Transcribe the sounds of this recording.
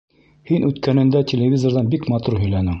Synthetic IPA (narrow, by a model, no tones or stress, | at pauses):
hinʔʉt̪kænɘ̆nd̪ætʲelʲevʲizoɾðɑnbikmɑt̪uɾɦɵ̆jlænɘŋ